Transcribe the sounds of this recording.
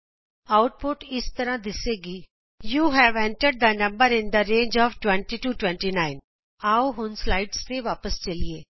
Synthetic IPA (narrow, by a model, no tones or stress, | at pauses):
aʊʈ̚poʈɪst̪əɾãd̪ɪseːɡiː | juːɦɛːʋɛ̃ɳʈəɾɖ̚d̪ənɐ̃mbəɾɪ̃nd̪əɾẽːnd͡ʒɔːfʈwɛ̃ɳʈiʈuːʈwɛ̃ɳʈinaɪn | aːoɦʊnslaːɪɖst̪eʋaːpəst͡ʃɐlieː